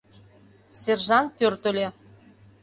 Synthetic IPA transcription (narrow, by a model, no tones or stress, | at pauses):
serʒɑnt̪̚pørt̪ə̆lʲe